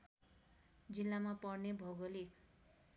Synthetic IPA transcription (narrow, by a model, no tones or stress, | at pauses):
d͡zilːamapʌrnebʱʌɡʌlik